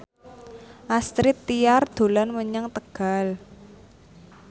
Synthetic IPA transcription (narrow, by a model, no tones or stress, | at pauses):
ʔast̪ɾɪt̪ːijard̪̥o̤lanməɲəŋt̪əɡ̥a̤l